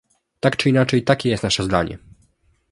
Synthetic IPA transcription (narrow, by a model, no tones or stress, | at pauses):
t̪akt͡ʂɘinat͡ʂɛjt̪akʲɛjɛst̪naʂɛzd̪a̰ɲɛ̰